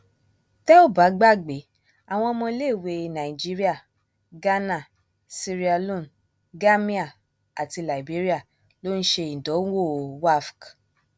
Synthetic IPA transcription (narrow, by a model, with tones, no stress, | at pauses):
tɛ˦o˦˨ba˨˦ɡ͡ba˦˨ɡ͡be˨˦ | a˨w̃ɔ̃˧mɔ̃˧˦le˦˨we˧nã˨i˨d͡ʒi˦ɾi˦a˦˨ | ɡa˦na˦˨ | si˧ɾi˦a˧lũ˦˨n | ɡa˦mĩ˦a˦˨ | a˨ti˧la˨i˨bi˨˦ɾi˦a˦˨ | lo˦n̩˦ʃe˧ĩ˨dɔ˨˦wo˦˨wa˦˨fk